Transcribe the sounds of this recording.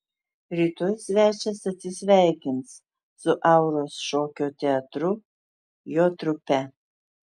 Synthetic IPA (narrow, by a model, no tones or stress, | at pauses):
ɾʲiːt̪oːjsʲʋʲæːt͡ʃʲɛsɐt̪ʲsʲɪsʲʋʲæˑɪkʲɪnt̪s | sʊʔɑˑʊɾoːsʃoːkʲoːt̪ʲɛɐt̪ɾʊ | joːt̪ɾʊpʲɛ